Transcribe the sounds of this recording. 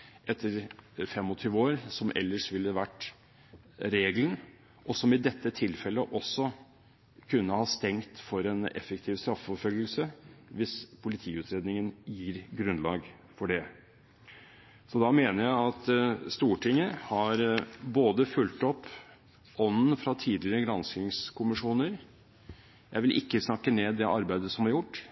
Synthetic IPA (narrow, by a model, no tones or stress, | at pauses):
ʔɛt̪ʰːəɾfɛmːɔt̪ʰyːʋəoːɾsɔmʔɛ̰lːəʂʋɪlːəʋæʈː | ɾeːɡlən | ʔɔsɔmɪd̪ɛt̪ːət̪ʰɪlfɛlːəʔɔsːɔ | kʰʉnːəhɑst̪ɛŋt̪fɔɾɛnɛ̰fəkt̪ʰɪːʋst̪ɾɑfəfɔɾfœlɡəlsəʋɪspʰʊlɪt̪ʰiːʉːt̪ʰɾeːd̪nɪŋənjiːɾɡɾʉnlɑːɡ | fɔɖɛ | sɔd̪ɑmeːnəɾjæɪɑt̪st̪uːʈʰɪŋːəhɑɾboːd̪əfʉlt̪ɔpː | ɔnːn̩fɾɑt̪ʰiːd̪lɪɾəɡɾɑnskɪŋskʰʊmɪʂuːnəɾ | jæɪʋɪlʔɪkːəsnɑkːəneːd̪ɛʔɑɾbæɪd̪əsɔmɑɾjʊʈː